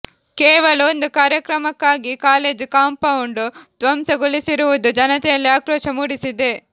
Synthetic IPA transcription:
kɛːʋɐlɐond̪ukaːɾjɐkɾɐmɐkːaːɡikaːleːd͡ʒkaːmpɐwuɳɖut̪ʋɐmsɐɡulisiɾuʋud̪ud͡ʒɐnɐt̪ɛjɐlːiaːkɾɔːʃɐmuːɽisid̪e

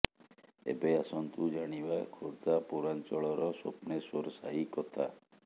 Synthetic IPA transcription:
ḛbeasɔnt̪ud͡ʒaɽ̃ibakʰoɾt̪apuɾant͡ʃɔɭɔɾɔsopnesoɾɔsaɦikɔt̪ʰa

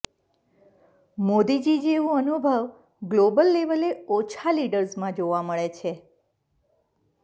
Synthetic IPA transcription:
mod̪id͡ʒid͡ʒeʋũənubʱəʋ | ɡlobəlːeʋəleot͡ʃʰaliɖəɾsmãd͡ʒoʋaməɭet͡ʃʰe

